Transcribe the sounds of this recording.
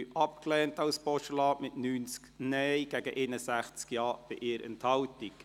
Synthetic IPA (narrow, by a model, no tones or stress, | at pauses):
ʔɑp̚klɛːntɑwspɔʃəlɑːmɪtnyːnt͡sknɛjɡ̥æɡəʔɪnəsæχt͡skjɑːb̥ɪʔɪːɾɛ̰nthɑwtik